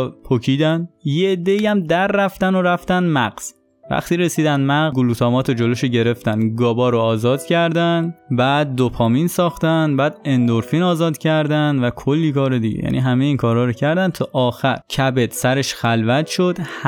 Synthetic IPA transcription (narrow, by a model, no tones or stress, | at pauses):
pʰocʰiːd̪ænjeed̪ːeiːæmd̪æɾːæft̪ænoɾæft̪ænd̪mæɢz̥ | væ̰χt̪iːɾesiːd̪ænd̪mæɡɡuluːt̪ʰɒːmɒːt̪ʰod͡ʒoloʃiɟe̞ɾe̞ft̪ænd̪ɡɒːbɒːɾoɒːzɒːd̪̥cʰæɾd̪ænbæːd̪̚ːopʰɒːminsɒːxt̪ænbæːd̪e̞nd̪oɾfinɒːzɒːd̪cʰæɾd̪ænd̪vækʰolːiːkʰɒːɾed̪iɟḛjæ̰nʔḭɦæmeiːnkʰɒːɾɒːɾocʰæɾd̪ænt̪ʰɒːʔɒːxæɾcʰæbed̪̥sæɾe̞ʃxælvæt̪ʃod̪̥